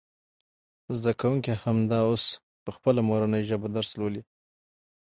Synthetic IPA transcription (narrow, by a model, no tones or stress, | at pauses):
zd̪akawuŋkihamd̪ɑos | pəxpəlamoɾanəjʒəbod̪aɾslawəli